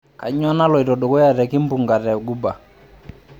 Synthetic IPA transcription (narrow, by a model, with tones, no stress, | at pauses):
ka̰˨ɲ˦a˦na˦lɔ˨i˨tɔ˨dɔ˨kɔ˦ja˨ɾɛ˨ki˦m˦bu˨ŋɡa˨ɾɛ˨ɡu˦ba˨